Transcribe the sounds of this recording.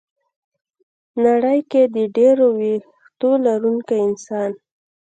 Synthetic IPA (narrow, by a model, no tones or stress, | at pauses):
naɽəjked̪əɖeɾowex | t̪olaɾuŋkajɪnsɑn